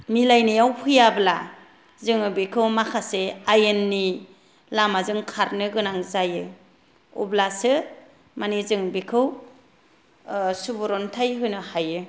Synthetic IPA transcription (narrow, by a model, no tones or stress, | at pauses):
milajnijawpʰɯjabla | zɯŋɯbikʰɯwmakʰaseajenːi | lamazɯŋkʰaɾnɯɡɯnaŋzajɯ | ṵblasɯ | manizɯŋbikʰɯw | subuɾɔntʰajɦɯjnɯhajɯ